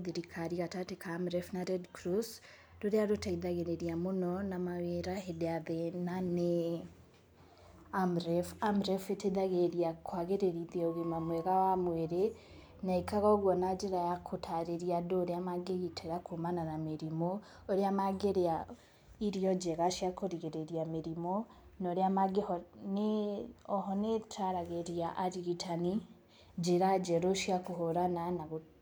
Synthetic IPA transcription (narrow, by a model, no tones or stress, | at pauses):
ðiɾikʰaɾiɣatatekʰaːmɾɛfnaɾɛdkɾos | doɾeaɾotaiðaɣeɾeɾiamonɔnamaweɾaɦedeaðenane | amɾɛfamɾɛfeteðaɣeɾjakʰwaɣeɾeɾiðeoɣemamwɛɣawamweɾe | naikaɣɔɣwɔnad͡ʒeɾajakʰotʰaɾeɾjadoɾeamaɡeɣitʰeɾakʰumananamiɾimo | oɾiamaɡeɾea | iɾijɔd͡ʒeɣaʃiakoɾiɣeɾeɾjamiɾimonoɾiamaɡehɔneɔɦɔnetʰaɾaɣeɾiaʔaɾiɣitʰani | d͡ʒeɾad͡ʒeɾoʃjakoɦoɾananaɣo